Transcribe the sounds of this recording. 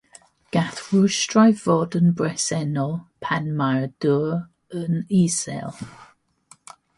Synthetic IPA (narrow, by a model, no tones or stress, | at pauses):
ɡ̥aθɹuʃtɹajvɔdənbɹɛsɛnɔlˠpʰanmaɹd̥uɹ | əniːsɛ̰lˠ